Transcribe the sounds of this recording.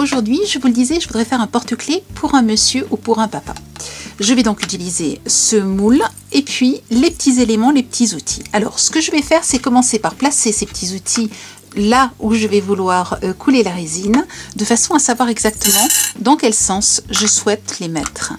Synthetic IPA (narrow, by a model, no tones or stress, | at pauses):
oʒuʁd̪ɥiʒəvuləd̪izɛʒəvud̪ʁɛfɛʁɛ̃pɔʁt̪əklepʰuʁɛ̃məsjøʔupuʁɛ̃papa̰ʒəvɛd̪ɔ̃kyt̪ilizesəmul | epɥilepə̥t̪ʰizelemɑ̃lepə̥t̪ʰizut̪ʰi̥alɔ̰ʁsə̥kəʒəvɛfɛʁsɛkɔmɑ̃sepaʁplasesepə̥t̪ʰizut̪ʰi | lauʒəvɛvulwaʁkʰulelaʁezind̪əfasɔ̃asavwaʁɛɡzak̚t̪əmɑ̃d̪ɑ̃kʲɛlsɑ̃sʒəswɛt̪lemɛ̰t̪χ